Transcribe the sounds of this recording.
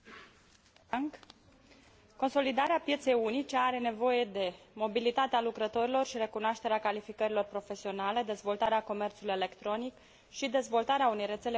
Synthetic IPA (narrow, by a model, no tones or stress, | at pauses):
ko̞nso̞lid̪aɾeapje̞t̪se̞junit͡ʃe̞aɾe̞ne̞vo̞je̞d̪e̞mo̞bilit̪at̪ealukɾət̪o̞ɾilo̞rʃiɾe̞kunoaʃt̪e̞ɾeakalifikəɾilo̞rpɾo̞fe̞sio̞nale̞d̪e̞zvo̞lt̪aɾeako̞me̞rt̪sulujele̞kt̪ɾo̞nik | ʃid̪e̞zvo̞lt̪aɾeaune̞jre̞t̪sele